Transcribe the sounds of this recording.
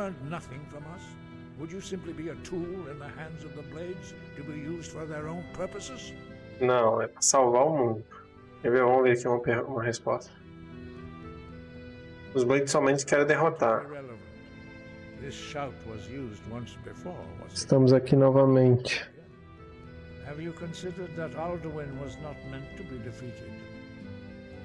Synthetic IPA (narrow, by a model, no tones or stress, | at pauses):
ɜ̃˞nnʌθɪ̃ŋfɹʌ̃mʌs | wəd͡ʒɨsɪ̃mplibiɨtʰulˠɪ̃nðəhæ̃ndzʌvðəbleɪdz̥ | tɨbijuzdfə˞ðə˞õʊ̃npʰɜ˞pɨsɪz̥nɐ̃w̃ɛpɾɐsawvaɾʊmũnd̪ʊ | evevõw̃veɾakiũmɐpeũmɐɦespɔ̰st̪ɐ | ʊzbẽjk̪ʊ̥sɔmẽnt͡ʃɪ̥kɛɾẽd̪eɦot̪aɾɹɛlˠəṽn | ðɪsʃaʊt̚wʌzjuzd̚wʌ̃nsb̥ɪfɔɹɪst̪ɐ̃mʊzakinɔvɐmẽnt͡ʃɪ̥ | hævjɨkʰɨ̃nsɪdə˞d̪̚ðəɾalˠdəwɪ̃nwʌznət̚mɛ̃ntʰːubidɪfiɾɪd